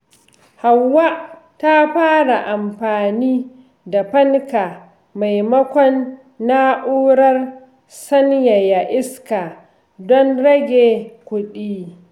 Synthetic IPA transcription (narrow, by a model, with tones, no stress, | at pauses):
ha˨wːa˦ʔ | ta˦ɸaː˦ɽa˨ʔa˨mɸaː˨niː˦ | da˨ɸɐ˦ŋka˨ | ma˨jmɐ˦kʷɔ˦nː | a˦ʔuː˦ɽɐ˦r | sɐ˦nja˨ja˨ʔɪ˦ska˨ | dɔ˦nɽɐ˦ɡʲeː˨kʷʊ˦ɗiː˦